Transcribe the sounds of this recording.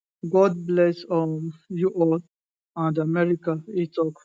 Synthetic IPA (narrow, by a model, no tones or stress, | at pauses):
ɡɔd̚blɛsɔmjuʔɔl | ãndamɛɹikaitɔk